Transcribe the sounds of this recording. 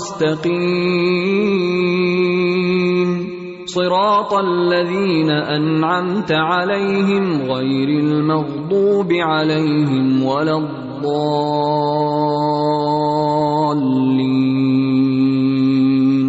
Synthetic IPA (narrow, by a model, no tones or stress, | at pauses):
st̪aqiː | n | sˤɨɾɑːt̪ˤalːaðiːnaʔanʕamt̪aʕalajɦɪmɣajɾalmɑɣd̪ˤuːbɪʕalajɦɪmwalaðˤːɑː | lːiː